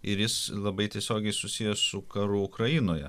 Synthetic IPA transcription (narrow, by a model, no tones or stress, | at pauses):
ɪɾjɪslˠɐbɐɪt̪ʲiɛsʲoːɡʲɛɪsʊsʲijɛsʊkɐɾʊʊkɾɐinoːjɛ̰